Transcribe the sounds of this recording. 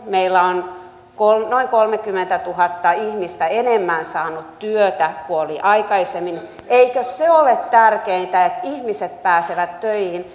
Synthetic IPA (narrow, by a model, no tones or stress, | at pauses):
meilːæon | kolnoiŋkolmekymːent̪æt̪uhɑt̪ːɑihmist̪æenemːænsɑːnut̪t̪yøt̪ækuoliʔɑikɑisemːin | ʔeikøsseolet̪t̪ærkeint̪æet̪ihmiset̪̚pæːseʋæt̪tøihin